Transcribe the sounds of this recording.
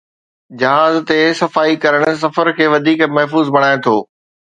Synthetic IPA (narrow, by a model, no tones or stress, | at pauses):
d͡ʑɐɦaːzt̪esɐfaːikɐɾəɽ̃ʊ̆s̬ɐfəɾkʰeːʋɐd̪ʱiːkmɐɦfuːzbɐɽ̃aːet̪ʰoː